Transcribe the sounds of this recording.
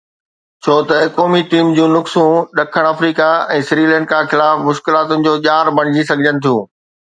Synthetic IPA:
t͡ɕʰoːt̪ɐkoːmiʈiːmd͡ʑũːnʊksũːɗɐkʰəɽ̃ɐfɾiːkaɛ̃ːsɾiːlɛ̃ːɳɖ̚kʰãːxɪlaːfmʊʃkɪlaːt̪ʊnɪ̆d͡ʑoːʄaːɾbɐɽ̤̃ɪd͡ʑisɐɡʱəd͡ʑənɪ̆t̪ʰijũː

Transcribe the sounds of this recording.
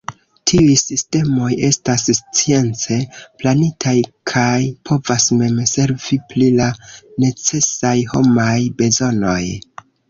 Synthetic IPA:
tʰiujsiste̞mo̞je̞stasst͡sie̞nt͡se̞planitʰajkʰajpʰo̞vasme̞mse̞ɾviplilane̞t͡se̞sajho̞̰majbe̞zo̞no̞j

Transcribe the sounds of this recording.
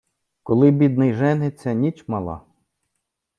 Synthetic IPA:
kɔlˠɪbʲid̪̚nɪjʒɛnɪt͡sʲːɐnʲit͡ʃmɑlˠɑ̰

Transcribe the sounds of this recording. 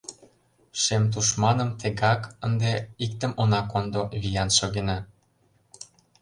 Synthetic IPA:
ʃemt̪̬uʃmɑnə̆mt̪ĕɣɑkənd̪eik̚t̪ə̆mʔonɑkond̪oβijɑnʃoɣenɑ

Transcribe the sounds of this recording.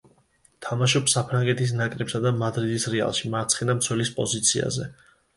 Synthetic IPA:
t̪ʰamaʃɔpsapʰɾaŋɡɛt̪ʰis̬nakʼɾɛpsad̪amad̪ɾid̪isɾɛa̰lˠʃimaɾt̪sʰχinamt̪sʰwɛlispʼɔ̰zit̪sʰia̰zɛ̰

